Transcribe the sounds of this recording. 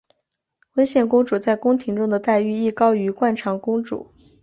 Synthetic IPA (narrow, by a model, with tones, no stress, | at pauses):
wə˥ɪɕjɛ˥˩nkʊ˥ŋʈ͡ʂu˨˩t͡sa˥˩ɪkʊ˥ŋt̪ʰi˧˥ŋʈ͡ʂʊ˥ŋd̪ə˨t̪a˥˧ɪy˥˧i˥˩kɑ˥ʊy˧˥kwa˥˩nʈ͡ʂʰɑ˧˥ŋkʊ˥ŋʈ͡ʂṵ˨˩˦